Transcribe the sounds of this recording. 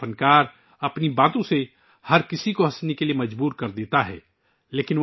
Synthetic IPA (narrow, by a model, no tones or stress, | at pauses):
ənkaːɾ | ɐpnibaːt̪õse | hɐɾkɪsikoɦɐsnekeliemɐd͡ʒbuːɾkɐɾd̪eːt̪aɦɛ̰ː | leːkɪn